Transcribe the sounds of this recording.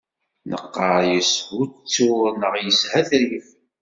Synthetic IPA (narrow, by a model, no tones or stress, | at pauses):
nə̰qːəɾjəshut͡sːunəʁjəshæθɾif